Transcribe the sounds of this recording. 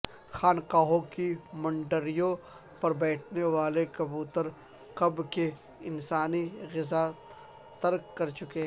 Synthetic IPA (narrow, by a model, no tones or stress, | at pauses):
xaːnqaːɦõkimɐ̃ɳɖəɾijõ | pɐɾbɛːʈʰneʋaːlekɐbuːt̪əɾ | qɐbke | ɪnsaːniɣɪza | t̪ɐɾkːɐɾt͡ʃʊkeɦɛ